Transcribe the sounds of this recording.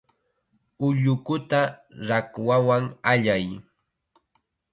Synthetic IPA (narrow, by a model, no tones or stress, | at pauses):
ʊʎʊkʊt̪aɾakwawaŋaʎaj